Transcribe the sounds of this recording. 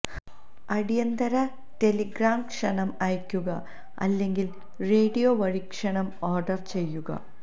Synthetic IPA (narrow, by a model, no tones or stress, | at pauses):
ɐɽijɐnd̪ɐɾɐ | ʈe̞liɡraːmkʂɐɳɐmɐjkʲːuɣɐ | ɐ̰lːe̞ŋɡil | re̞ːɖijoːʋɐɻikʂɐɳɐmoːrɖɐrt͡ɕe̞jːuɣɐ̰